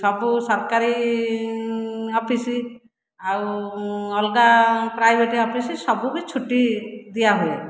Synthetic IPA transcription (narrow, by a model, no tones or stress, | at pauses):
sɔbusɔɾkaɾi | ɔpʰisi | awɔlɡapɾajbʱeʈiɔpʰisisɔbubit͡ʃʰuʈid̪ijaɦue